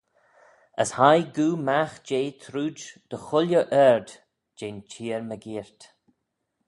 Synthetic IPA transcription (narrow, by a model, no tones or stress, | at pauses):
ə̰shajɡuːmaxd͡ʒeːt̪ʰɾuːd͡ʒd̪̥əxʊljəʔɛɹd̪ | d͡ʒeːnt͡ʃʰiːɹməɡiːɹt̪